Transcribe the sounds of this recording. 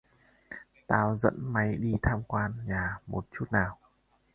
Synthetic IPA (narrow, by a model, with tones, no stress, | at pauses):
t̪aː˧wzə̰˧˥nma˨˦jɗi˧t̪ʰaː˧mkwaː˧nɲaː˨˩mo˨˩t̚t͡ɕu˦˥t̚naː˨˩w